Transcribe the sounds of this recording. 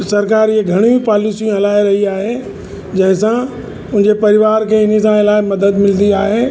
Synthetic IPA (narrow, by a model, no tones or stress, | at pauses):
sɐɾkaːɾɪɦeɡʱɐɽ̃ĩpaːlɪsijũɦɐlaːɪɾɐɦiaːɦe | d͡ʑɐ̃ɦɪ̃sã | ʊ̃ɦɪ̃ɲd͡ʑepɐɾɪʋaːɾkʰeɪnis̬ãɪlaːemɐd̪əd̪mɪld̪iaːɦeː